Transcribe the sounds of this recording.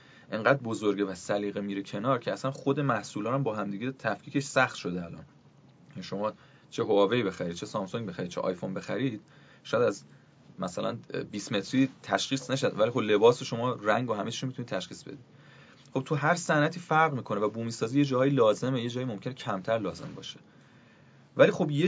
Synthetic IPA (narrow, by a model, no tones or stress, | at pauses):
ʔe̞ŋɢæːd̪̚bozoɾɟevæsæliːɣemiːɾecʰe̞nɒːɾcʰeæsænχod̪e̞mæhsuːlɒːnæmbɒːɦæmd̪iːɟet̪ʰæfkʰiːce̞ʃsæχt̪ʃo̞d̪eælɒ̰ːnʰ | eʃo̞mɒː | t͡ʃʰe̞ɦoɒːve̞iːbe̞xæɾid̪̚t͡ʃʰe̞sɒːmsoŋɡbe̞xæɾid̪̚t͡ʃʰeʔɒ̰jfonbe̞xæɾiːd̪̥̚ | ʃɔjæd̪æz | mæsælʔæ̰nbiːsme̞t̪ʰɾiːt̪ʰæʃxiːsnæʃæd̪vælixo̞ble̞bɒːseʃo̞mɒːræŋɡoɦæmet͡ʃʰi̥ʃomit̪ʰuniːt̪t̪ʰæʃχiːsbed̪iːd̪̥ | χo̞b̥̚t̪ʰuɦæɾsænæt̪ʰiːfæɾʁmiːkʰo̞nevæbuːmiːsɒːziːje̞d͡ʒɒːhɒːjilɒːze̞meje̞d͡ʒɒːjimo̞mcʰe̞necʰæmt̪ʰæɾlɒːze̞̰mbɒ̰ːʃe | væliːxo̞bje